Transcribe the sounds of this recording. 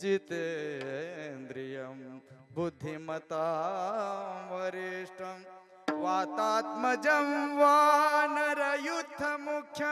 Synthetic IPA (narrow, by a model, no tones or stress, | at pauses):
t͡ʃit̪e | end̪ɾijɐmbud̪ʱːimɐt̪aː | ʋɐɾeːʂʈɐm | ʋaːt̪aːt̪mɐd͡ʒɐmʋaːnɐɾɐjut̪ːɐmukʰjɐ